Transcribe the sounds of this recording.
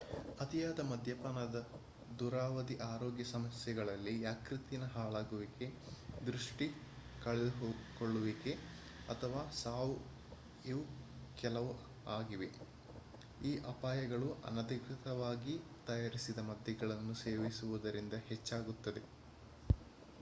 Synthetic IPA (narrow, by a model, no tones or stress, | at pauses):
ɐt̪ijaːd̪ɐmɐd̪ʱjɐpɐnɐd̪ɐ | d̪uːɾaːʋɐd̪iʔaːɾoːɡjɐsɐmɐsjɐɡɐɭɐlːijaːkɾit̪inɐɦaːɭaːɡuʋike̞ | d̪ɾuʂʈi | kɐɭɛd̪uɦoːkoɭːuʋike̞ | ɐt̪ʰɐʋaːsaːʋu | iukɛlɐʋu | aːɡiʋe̞ | iːʔɐpaːjɐɡɐɭuʔɐ̰nɐd̪ikɾit̪ɐʋaːɡit̪ɐjaːɾisid̪ɐmɐd̪ʱjɐɡɐɭɐnːuseːʋisuʋud̪ɐɾind̪ɐhet͡ʃːaːɡut̪ːɐd̪e̞